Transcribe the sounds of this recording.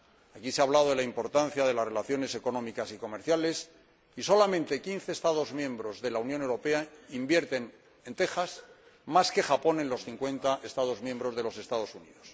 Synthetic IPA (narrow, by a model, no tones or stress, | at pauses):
akiseaβlaðoðe̞laimpo̞ɾt̪anθjaðe̞lazre̞laθjo̞ne̞se̞ko̞nõ̞mikasiko̞meɾθjale̞s | iso̞lamẽnt̪e̞kin̟θe̞ːst̪aðo̞zmjẽ̞mbɾo̞zðe̞launjone̞wɾo̞pe̞aimbje̞ɾt̪en | e̞nt̪e̞xas | maske̞xapo̞nẽ̞nlo̞sθiŋkwe̞nt̪aʔest̪aðo̞zmjembɾo̞zðe̞lo̞se̞st̪að̞o̞sunḭðo̞s